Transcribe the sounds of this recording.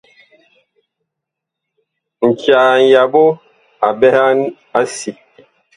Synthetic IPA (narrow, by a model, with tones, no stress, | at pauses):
ŋ̩˨kja˨ŋ˨ja˨bo˦ | a˨bɛ˦ha˦n | a˦si˨